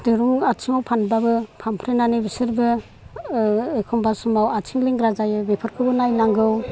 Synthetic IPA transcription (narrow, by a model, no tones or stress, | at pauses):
dɯɾuŋatʰiŋawpʰanbabɯpʰampʰɾenanibisɯɾbɯ | ekʰɔmbasumawatʰiŋliŋɡɾazajɯbepʰɯɾkʰɯbɯnajnaŋɡɯw